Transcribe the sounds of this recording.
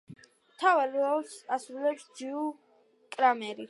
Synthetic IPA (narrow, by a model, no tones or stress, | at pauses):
mt̪ʰavaliɔlsasɾulɛpsd͡ʒiu | kʼɾamɛɾi